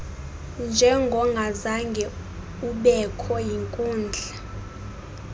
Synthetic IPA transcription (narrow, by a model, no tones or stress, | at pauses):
nd͡ʒʱɛŋɡʱɔŋɡʱazaŋɡʱɛ | uɓɛkʰɔjiŋkʼuːnd͡ɮʱa